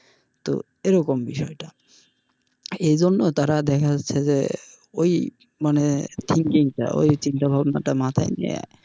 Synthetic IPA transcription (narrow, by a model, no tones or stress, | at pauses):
t̪o̰ | eɾɔkombiʃɔeʈa | ejd͡ʑonːot̪aɾad̪ɛkʰaatːʰed͡ʑḛ | oj | manet̪ʰiŋkiŋʈa̰ʔo̰jt͡ɕint̪abʱabnaʈamat̪ʰajnḭa̰